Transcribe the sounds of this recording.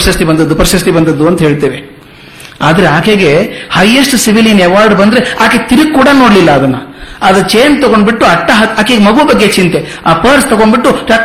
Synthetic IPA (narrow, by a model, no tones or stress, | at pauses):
ʃɐst̪ibɐnd̪ɐd̪ːupɐɾɐʃɐst̪ibɐnd̪ɐd̪ːuɐnt̪ɐɦeːɭt̪eːʋe | aːd̪ɐɾeaːkeɡe̞hɐjːɐsʈsiʋilinɛʋaːɾɖbɐnd̪ɾe̞aːket̪iɾiɡkːuːɽanoːɽlilːɐːd̪ɐnːɐɐd̪ɾɐt͡ʃeːnt̪ɔɡo̞ɳɖbiʈːuɐʈːɐɦɐaːkeɡemɐɡubɐɡːe̞t͡ʃint̪e̞ | aːpɐɾst̪ɐɡoɳɖbiʈːuʈaː